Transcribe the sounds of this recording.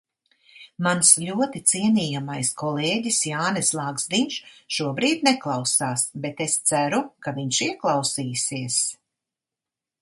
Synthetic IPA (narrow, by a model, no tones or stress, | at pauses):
mansʎʲuɔt̪it̪siɛnʲiːjamajskʰɔleːɟisjaːnɛslˠaɡz̥d̪iɲʃʃuɔbɾiːd̪nɛklˠawsaːsbet̪est̪sæɾukaviɲʃiɛklˠawsiːsiɛs